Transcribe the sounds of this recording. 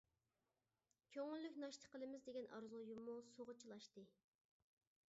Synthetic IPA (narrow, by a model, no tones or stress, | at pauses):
kʲʰøŋylːykʲnɑʃt̪ʰə̥qəlˠɨmɪzd̪eɡʲɛnʔɑ̰ɾzujumːusoʁət͡ʃʰilˠɑʃt̪ɨ